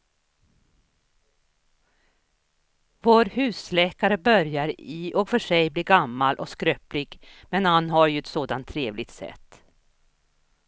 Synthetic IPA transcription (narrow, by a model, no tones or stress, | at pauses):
voːɾhʉ̟ːslɛːkaɾəbœɾjaɾɪʔɔkfœʂɛjbliːɾɡamːalʔɔskɾøːplɪɡmɛnhanɦaɾjɵɛt̪soːd̪ant̪ʰːɾeːvlɪɡ̚t̪sɛ̰t̪ː